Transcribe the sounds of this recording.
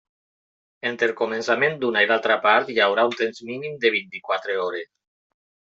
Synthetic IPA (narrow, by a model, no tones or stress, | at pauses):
ent̪ɾelkomensamend̪unaiðalˠt̪ɾapaɾt̪jawɾaunt̪enzminimd̪eβ̞int̪ikwat̪ɾeoɾes